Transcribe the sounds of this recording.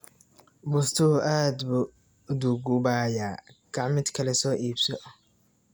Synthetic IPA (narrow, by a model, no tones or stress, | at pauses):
bʊst̪ʰʊʔaːd̪bʊ | d̪ʊɡʊbaːjaːɡ̥ɑʕmɪd̪kʰɐlɛsɔːʔiːbsɔ